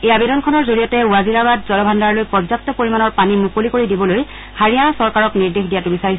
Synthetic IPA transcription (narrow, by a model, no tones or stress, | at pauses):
ejabidɔnkʰɔnɔɹzoɹijɔtɛuaziɹabadzɔlɔbʱandaɹlojpɔzak̚tɔpoɹimanɔɹpanimukolikoɹidibɔloj | haɹijanasɔɹkaɹɔkniɹdexdijatʊbisaɹis